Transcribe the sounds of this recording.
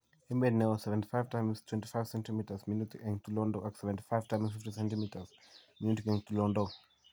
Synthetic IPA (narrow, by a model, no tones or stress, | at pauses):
ɛ̃mbɛnɛɔsɛvɛ̃nti̥fajv̥tãjmstʰwɛ̃nti̥fajv̥sɛ̃ntimitəzminutiɛ̃ŋt̪ulɔndɔʔaksɛvɛ̃nti̥fajv̥tãj̃msfiftisɛ̃ntimitəz̥ | minutikɛ̃ŋtulɔ̃ndɔ